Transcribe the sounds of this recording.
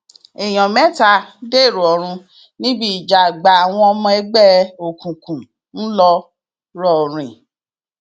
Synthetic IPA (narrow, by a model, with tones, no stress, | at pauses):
e˨j̃ɔ̃˨mɛ̃˦ta˧de˦˨ɾu˨ɔ˨ɾ̃ũ˧ | nĩ˦bi˦i˨d͡ʒa˨ɡ͡ba˨a˨w̃ɔ̃˧ɔ˧˦mɔ̃˧ɛ˦ɡ͡bɛ˦o˨kũ˨kũ˨ | n̩˦lɔ˧ | ɾɔ˦˨ɾ̃ĩ˨